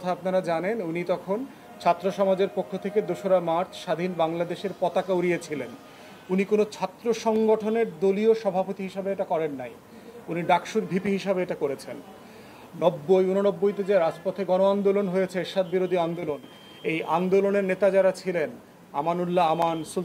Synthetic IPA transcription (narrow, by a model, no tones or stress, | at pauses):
t̪ʰaapnaɾad͡ʑanenunit̪ɔkʰon | t͡ɕʰat̪ːɾoʃɔmad͡ʑeɾpokʰːot̪ʰeked̪oʃoɾamaɾt͡ɕʰʃad̪ʱinbaŋlad̪eʃeɾpɔt̪akauɾiet͡ɕʰilen | unikonot͡ɕʰat̪ːɾoʃɔŋɡoʈʰoneɾd̪olioʃɔbʱapot̪iɦiʃabeeʈakɔɾenːaj | uniɖakʃuɾbʱipiɦiʃabeeʈakoɾet͡ɕʰen | nɔbːojunonɔbːojt̪ed͡ʑeɾad͡ʑpɔt̪ʰeɡɔnoand̪olonɦojet͡ɕʰeeʃad̪̚biɾod̪ʱiand̪olon | ejʔand̪oloneɾnet̪ad͡ʑaɾat͡ɕʰilen | a̰manulːaamansul